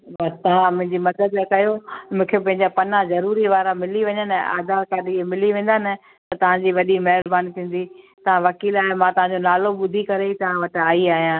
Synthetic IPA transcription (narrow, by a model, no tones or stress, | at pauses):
bɐt̪ɐʋãmʊ̃ɦɪ̃ɲd͡ʑimɐd̪əd̪kɐjomʊ̃ːkʰepɐ̃ɦɪ̃ɲd͡ʑapɐnãzɐɾuːɾiʋaːɾamɪliʋɐɲəna̰ːd̪aːɾkaːɗiemɪliʋẽːnd̪aːnɪ̆ | t̪ɐt̪ɐʋ̤ãd͡ʑiːʋɐɗimɐɦɪɾbaːnit̪ʰĩːn̆d̪i | t̪ɐʋ̤ãʋɐkiːlaːɦemãt̪ɐʋ̤ãɲd͡ʑonaːloɓʊd̪ʱikɐɾeit̪ɐʋ̤ãʋɐʈaːiaːɦijãː